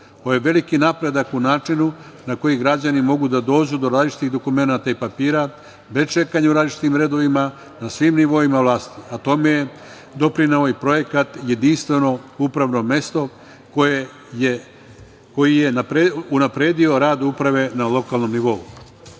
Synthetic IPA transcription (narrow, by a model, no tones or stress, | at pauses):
ojeʋe̞likinapɾe̞d̪akunaːt͡ʃinu | nako̞jiɡɾad͡ʑanimo̞ɡud̪ad̪o̞ːd͡ʑud̪o̞ɾaːzlit͡ʃi̥t̪iɣd̪o̞kume̞nat̪aipapiːɾa | be̞st͡ʃe̞kaɲeuɾad̪lit͡ʃi̥t̪imɾe̞d̪o̞ʋima | nasʋimniʋo̞imaʋlˠaːst̪iat̪o̞me̞je | d̪o̞pɾinao̞ipɾo̞je̞kat̪je̞d̪inst̪ʋe̞no̞upɾaʋno̞me̞st̪o̞ | koje | je | ko̞jije̞napɾeunapɾe̞ːd̪io̞ɾaːd̪upɾaʋe̞nalo̞kalˠno̞mniʋo̞u